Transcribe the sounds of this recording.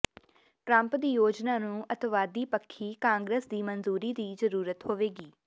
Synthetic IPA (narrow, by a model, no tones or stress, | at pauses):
ʈɾə̃mpd̪iːjoːd͡ʒnaːnũːʔət̪ʋaːd̪iːpəkʰːiːkãːŋɡɾeːsd̪iːmənzuːɾiːd̪iːzəɾuːɾət̪hoːʋeːɡiː